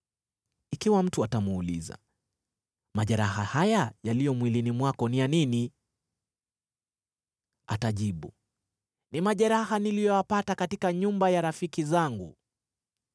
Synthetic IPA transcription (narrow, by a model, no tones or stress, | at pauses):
ikiwam̩tuatamuːlḭza̰ | maʄɛɾahahajajalijɔmwilinimwakɔnijanini | ataʄiɓu | nimaʄɛɾahanilijɔapatakatikaɲumbajaɾafikizaŋɡṵ